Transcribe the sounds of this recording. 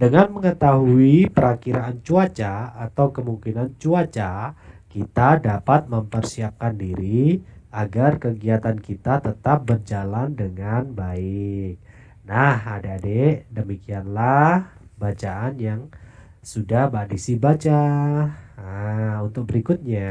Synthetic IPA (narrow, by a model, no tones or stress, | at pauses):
dəŋanməŋət̪aɦuipəɾakiɾaːnt͡ʃuat͡ʃaːt̪awkəmuŋkinant͡ʃuat͡ʃakit̪adapat̪̚məmpərsiap̚kandiɾiaɡarkəɡiat̪ankit̪at̪ət̪ap̚bərd͡ʒalandəŋanbaɪk̚ | nahadaːdedəmikianlah | bat͡ʃaanjaŋ | sudahbadisibat͡ʃa | unt̪ʊk̚bəɾikʊt̪̚ɲa